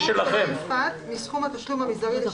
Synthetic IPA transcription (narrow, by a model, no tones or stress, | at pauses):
ʃelaχemat̪misχumat̪aʃlumhamisd̪aʁil